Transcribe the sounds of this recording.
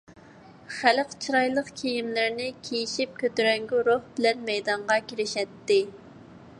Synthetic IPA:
χælqt͡ʃʰiɾɑjlˠəqkʲʰejimlɪɾnɪkʲʰejiʃip̚kʲʰøt̪yɾɛŋɡʲyɾoχbɪlɛnmɛjd̪ɑɴʁɑkʲiɾɪʃɛt̪ːɪ

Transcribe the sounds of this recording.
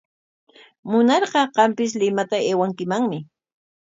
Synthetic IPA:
mʊnɑɾɢɑɢɑmpɪs̬lɪmat̪aeːwaŋkɪmaŋmɪ

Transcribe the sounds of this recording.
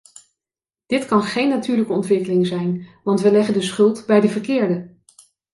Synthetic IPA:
d̥ɪtkɑnχejnːatyːɹləkəɔntʋɪkəlɪŋzɛjnʋɑntʋəlɛχəndəsχɵlˠtbɛjdəvəɹkɪːɹdə

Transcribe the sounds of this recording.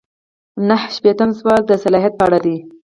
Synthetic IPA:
nəhʃpet̪əmswɑt̪̚d̪əsalɑɦjat̪̚pɑɽad̪i

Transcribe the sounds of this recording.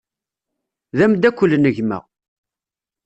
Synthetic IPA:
ðæmd̪ækʷːəlːnəʝmə̰ʁ

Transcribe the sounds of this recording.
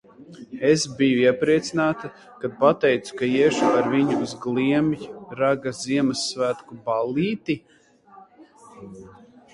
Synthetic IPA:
esbijuiɛpɾiɛt̪sinaːt̪a | kad̪̚pat̪ɛjt̪su̥kaiɛʃuaɾviɲuːzɡlˠiɛmjɾaɡaziɛmasːvæːt̪kubaliːt̪i

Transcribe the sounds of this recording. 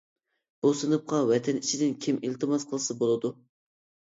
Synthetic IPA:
b̥usɨnɨp̚qɑwɛt̪ʰɛnit͡ʃʰid̪ɪnkʲʰimilt̪ʰɨmɑsqʰəlˠɨsɨbolˠɨd̪u

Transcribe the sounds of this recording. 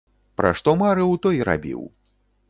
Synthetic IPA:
pɾʔa̰ʂt̪ɔmaɾɨwt̪ɔjɾa̰bʲḭw

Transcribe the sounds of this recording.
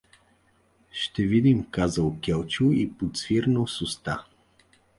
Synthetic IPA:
ʃt̪ɛvid̪imkazəlˠkʲɛlˠt͡ʃuipot̪sviɾnəlˠsʊst̪a̰

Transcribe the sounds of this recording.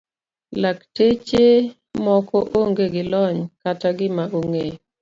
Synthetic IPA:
laktet͡ʃe | mɔkɔʔoŋɡeɡɪlɔɲkataɡɪmaʔoŋe

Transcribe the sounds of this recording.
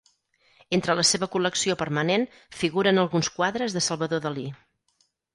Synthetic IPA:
ent̪ɾələseβəkuləksiopəɾmənen | fiɣuɾənəlˠɣunskwaðɾəzðəsəlˠβəðoðəli

